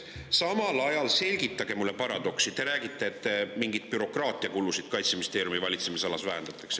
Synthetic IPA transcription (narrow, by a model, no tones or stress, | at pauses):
sɑmɑlɑjɑlse̞lʲɡ̥it̪ːˑɑɡ̥e̞mulːe̞pɑɾɑd̪̥o̞ksit̪e̞ɾæːɡit̪ːˑeːt̪ːemiŋɡid̪̥̚pyɾo̞krɑːt̪ˑiɑkulːusid̪̥kɑjt̪semist̪e̞ːɾjumivɑlʲit̪semisɑlɑsvæɦend̪̥ɑt̪ːˑɑks